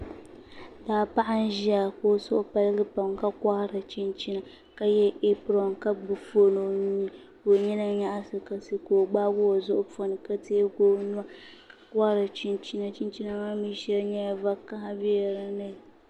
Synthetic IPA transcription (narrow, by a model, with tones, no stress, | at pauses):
daː˨pa˦ʔa˦n˦ʒi˦a˨ko˦sʊ˦ʔʊ˦pa˦lɡɨ˦pa˨mka˦ka˦hɾa˨t͡ʃi˦nt͡ʃi˦na˨ | ka˦jɛ˦ʔe˦pɾɔ˨nka˦ɡ͡bɨ˨fo˦no˨˦ɲi˦ | ko˨ɲi˦na˦ɲa˦ʔa˦sɨ˦ka˨sɨ˦koː˨ɡ͡baː˦ɡʊ˦a˨zʊ˦ʔʊ˦po˦nɨ˨ka˦teː˦ɡoː˦nu˦a˦ka˨ka˦hɾa˨t͡ʃi˦nt͡ʃi˦na˨t͡ʃi˦n˦t͡ʃi˦na˦maː˦mi˦ʃɛ˦lɲɛ˦a˦va˦kːa˦ha˦bi˦a˨ɾa˦nɨ˦˨